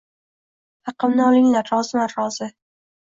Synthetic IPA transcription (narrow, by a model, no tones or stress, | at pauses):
hɑqɨmnɪɒlˠɪŋlaɾːɒzɪlaɾːɒz̥ɪ